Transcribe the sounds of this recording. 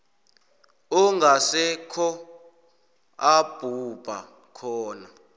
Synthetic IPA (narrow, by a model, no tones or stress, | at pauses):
ɔŋɡʱasɛkʰɔ | ab̥ʱub̥ʱa̰ | kʰɔːna